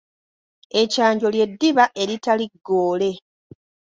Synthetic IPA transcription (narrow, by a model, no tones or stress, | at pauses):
e̞caːɲɟo̞lje̞dːiβaʔe̞ɾitaliɡːo̞ːle̞